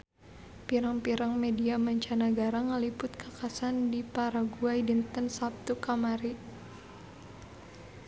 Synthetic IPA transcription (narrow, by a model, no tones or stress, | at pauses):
piɾaŋpiɾaŋmediamaɲt͡ʃanaɡaɾaŋəlipʊt̪̚kakasandipaɾaɡuajdint̪ənsap̚t̪ukamaɾi